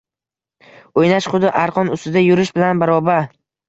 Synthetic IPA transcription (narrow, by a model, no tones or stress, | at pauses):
ojnaʃχʊd̪ɪʔaɾqʰɒnʊst̪ɪd̪ajʊɾɪʃbɪlanbaɾɒbaɾ